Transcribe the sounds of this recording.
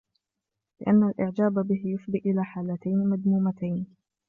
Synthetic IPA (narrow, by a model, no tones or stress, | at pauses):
lɪʔanːalʔɪʕd͡ʒaːbabɪɦɪjʊfd̪iːʔɪlaːħaːlat̪ajnmad̪muːmat̪ajn